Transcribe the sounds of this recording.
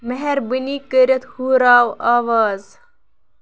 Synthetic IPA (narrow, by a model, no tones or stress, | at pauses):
mɐɦeɾbiniːkəɾʲɐt̪huːɾaːwaːwaːz